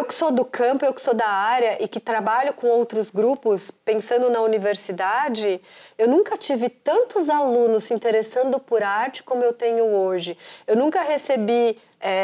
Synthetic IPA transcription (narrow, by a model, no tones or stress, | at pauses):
ewkɪ̥sod̪ʊkɐ̃pʊewkɪ̥sod̪ɐaɾjɐʔɪkɪt̪ɾabaʎʊkõowt̪ɾʊzɡɾupʊspẽsɐ̃nd̪ʊnɐuniveɾsid̪ad͡ʒɪewnũkɐt͡ʃivɪt̪ɐ̃nt̪ʊzalũnʊsĩnt̪eɾesɐ̃nd̪ʊpʊɾaɾt͡ʃɪ̥kõmʊewt̪ẽɲʊoʒɪewnũŋkɐɦesebi | ɛ